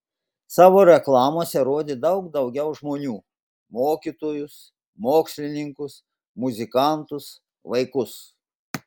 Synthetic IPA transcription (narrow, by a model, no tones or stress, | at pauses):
sɑːʋoːɾʲɛklˠɑːmoːsʲɛɾoːd̪ʲeːd̪ɐʊkd̪ɐʊɡʲɛʊʒmoːnʲuː | moːkʲiːt̪oːjʊs | moːksʲlʲɪnʲɪŋkʊs | mʊzʲɪkɑˑnt̪ʊs | ʋɐɪkʊs